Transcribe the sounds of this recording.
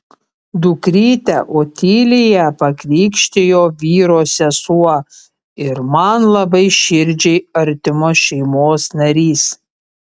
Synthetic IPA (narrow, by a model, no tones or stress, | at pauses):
d̪ʊkɾʲiːt̪ʲɛ̰ʔoːt̪ʲiːlʲɪjɛpɐkɾʲiːkʃʲt̪ʲɪjoːʋʲiːɾoːsʲɛsuɔ | ɪɾmɐnlˠɐbɐɪʃʲɪɾʲd͡ʒʲɛɪɐɾʲt̪ʲɪmoːʃʲɛɪmoːsnɐɾʲiːs